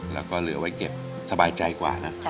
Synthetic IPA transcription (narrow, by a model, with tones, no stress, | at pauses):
lɛː˦˥wkɔː˥˩lɯ˩˦ɐwa˦˥jke˨˩p̚ | sa˧baː˧jt͡ɕa˧jkwa̰ː˨˩na˦˥ʔ